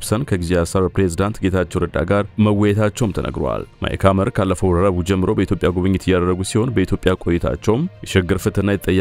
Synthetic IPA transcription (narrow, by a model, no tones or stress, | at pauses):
psənkʰəɡizeasəɾpɾezid̪ant̪ɡe̞t̪ʰat͡ʃːɛwɾəd̪a̰ɡaɾməwːɔjɛt̪ʰat͡ʃːɛwmt̪ʰənʔə̰ɡɾwa̰lma̰ʔḛkʰaməɾkʰalːəfəwɾəɾəβud͡ʒɛmːɨɾobəit̪ʰjopʼːjaɡuβɨɲːɪt̪jːad̪əɾːəɡusiho̞nbəit̪ʰjo̞pʼːjakʼo̞jɛt̪ʰa̰t͡ʃːɛwmjɛʃɪɡːɨɾfɨt̪ɨnːajt̪ət̪ʼːəjː